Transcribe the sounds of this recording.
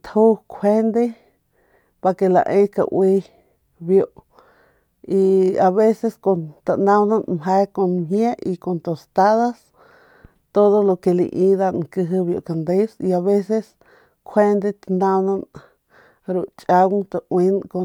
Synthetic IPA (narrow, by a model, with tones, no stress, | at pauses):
t̪ʰhu˦kʷʰwe˦nd̪e˦ | pa˧ke˧la̰˨ʔẽ˦ka̰˧ʔw̰i˧ | bjo˨ʔ | i˧a˨βe˦se˧sko˨nt̪a˨nã˧wnã˦nmɦe˧ko˧nmɦje˦i˧ko˨nt̪o˨st̪a˦ða˦s | t̪o˦ðo˦lo˧ke˧lḭ˧ʔĩ˧d̪a˧ŋkɨ˧ɦɨ˧βjo̰˨ʔka˨nd̪e˦si˧a˨βe˦se˦s | kʰwe˦nd̪e˧t̪and̪ã˧wna˧n | ɾu˧t͡ʃʼa˧wŋt̪a˧ʔwi˧˦nko˧